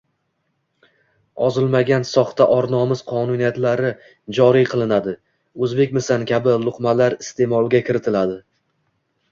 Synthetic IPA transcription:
ɒzɪlˠmaɡʲansɒχt̪aʔɒɾnɒmɪz̥qʰɒnunijat̪laɾɪ | d͡ʒɒɾijqʰɨlˠɪnad̪ɪ | ɵzbe̞kʲmɪsankʲabɪlˠʊqmalaɾɪst̪ʰe̞mɒlˠɡʲakʲʰɪɾɪt̪ʰɪlad̪ɪ

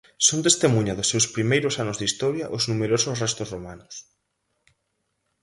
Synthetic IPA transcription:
sont̪est̪emũɲɐðʊsːewspɾimejɾʊsanʊzðist̪ɔɾjaʔʊznumeɾosʊsrɛst̪osromanʊs

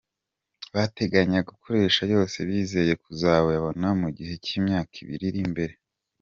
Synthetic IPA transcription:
βate̞ɡaɲaɡukʰo̞ɾe̞ːʃajo̞ːse̞βiːze̞je̞kuzaːβojaβo̞namuɟihe̞ciːmɲaːkʰiβḭɾiɾimbe̞ɾe̞

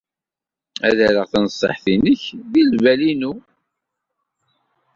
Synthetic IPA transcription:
æðæɾəʁθænsˤːə̰ħθinəçðilvælinu

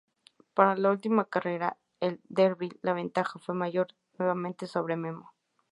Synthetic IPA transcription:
paɾalault̪imakareɾa | eld̪eɾβilːaβent̪axafwemaʝoɾ | nweβamẽnt̪esoβɾememo

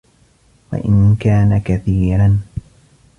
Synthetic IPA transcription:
wa̰ʔɪnkaːnakaθiːɾan

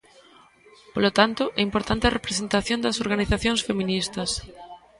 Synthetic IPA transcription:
polot̪ant̪oʔɛimpoɾt̪ant̪erepɾesent̪aθjõnd̪ɐsoɾɣaniθaθjõŋsfemĩnist̪ɐs

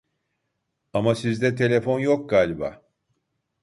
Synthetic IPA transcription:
amasizd̪ɛt̪ʰe̞lʲe̞fo̞njo̞k̚ɡaːlʲba̰

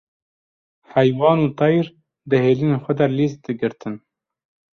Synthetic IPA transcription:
hɛjwɑːnuːt̪ɑjɾ | d̪ɨheːliːneːxʷɛd̪alis̚d̪ɨɡɨɾt̪ʰɨn

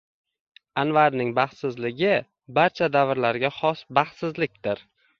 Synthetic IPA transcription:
anvaɾnɪŋbaχt̪sɪzlɪɡʲɪ | baɾt͡ʃʰad̪avɾlaɾɡʲaχɒsbaχt̪sɪzlɪk̚ʲd̪ɪɾ

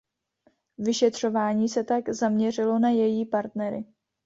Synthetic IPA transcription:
vɪʃɛt̪r̝̥o̞vaːɲiːsɛt̪aɡzamɲɛr̝ɪlo̞najɛjiːpaɾt̪nɛɾɪ̰

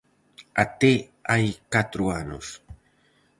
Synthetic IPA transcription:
at̪e | ajkat̪ɾuano̰s

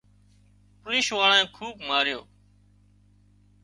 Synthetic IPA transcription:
pɾĩːʃʋaːlãːkʰuːpmaːɾjo̰ː

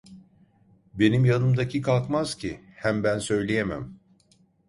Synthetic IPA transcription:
be̞nimjanɯmd̪acʰikʰalˠkmaz̥cʰi | hæmbænsø̞jlʲejemæ̰m

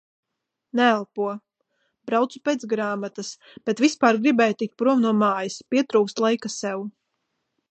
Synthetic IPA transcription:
nɛælˠpuɔ | bɾawt̪supeːt̪sɡɾaːmat̪as | b̥ɛt̪vispaːɾɡɾibɛːjt̪ik̚t̪̚pɾuɔmnuɔmaːjɐspiɛt̪ɾuːkst̪lˠajkasɛw

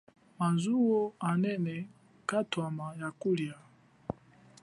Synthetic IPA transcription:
manzuwoanɛnɛ | katwamajakulja

